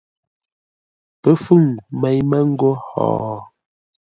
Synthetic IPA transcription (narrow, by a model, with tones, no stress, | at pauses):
pə˦fʉ˦˨ŋmɛ˨jmə˦ŋ̩˦ɡo˦hɔ̰ː˨